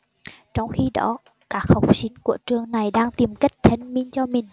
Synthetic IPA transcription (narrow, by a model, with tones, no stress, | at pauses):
t͡ɕɔ˧wŋ͡mxi˧ɗɔ̰˨˦ | kaː˦˥k̚ha˨˩wk͡p̚sï˨˦ŋku˧˩ət͡ɕɨ˨˩əŋna˨˩jɗaː˧ŋt̪i˨˩mka˦˥jk̟̚t̪ʰə˨˧˩ŋmi˧ənt͡ɕɔ˧mï˨˩ŋ̟